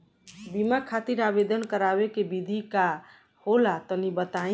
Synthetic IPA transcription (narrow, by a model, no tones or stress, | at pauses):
bimakʰat̪iɾabed̪ənkəɾabekebid̪ʱika | holat̪ɔnibət̪ã